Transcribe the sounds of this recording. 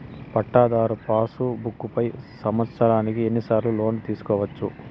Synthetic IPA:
pɐʈːaːd̪aːɾupaːsubukːupɐjsɐmʋɐt̪sɐɾaːnikie̞nːisaːɾlulo̞ːnt̪iːsu̥kɔːʋɐt͡ʃːṵ

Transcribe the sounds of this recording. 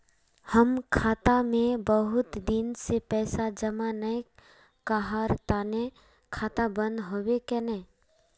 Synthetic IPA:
həmkʰaːt̪amẽbəɦʊt̪d̪ɪnsepɛːsad͡ʒəmanəj | kaɦaɾt̪aːne | kʰaːt̪abə̃nd̪ɦoːwekɛnɛː

